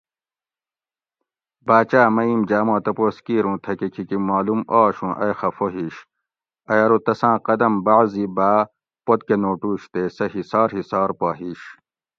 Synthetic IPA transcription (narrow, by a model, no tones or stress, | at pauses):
baːt͡ɕaːmɐimd͡ʑaːmãːt̪ɐpoːskiːɾũːt̪ʰɐkekʰikimaːlumaːɕũːʔɐjxɐfoɦiɕ | ɐjɐɾut̪ɐsãːqɐd̪ɐmbaʕzibaː | pot̪̚kenoːʈuːɕt̪eːsɐɦisaːɾɦisaːɾpaːɦiːɕ